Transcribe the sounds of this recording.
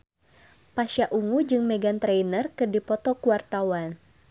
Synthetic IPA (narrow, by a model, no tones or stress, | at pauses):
paʃaʔuŋud͡ʒɨŋmɛɡant̪ɾejnərkɨrdipɔt̪ɔkuwart̪awan